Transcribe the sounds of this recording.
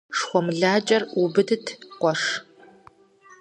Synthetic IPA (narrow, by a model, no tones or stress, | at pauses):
ʂχʷɔmɮaːt͡ʃʼɐrubɨdɨtʰqʷɔʂ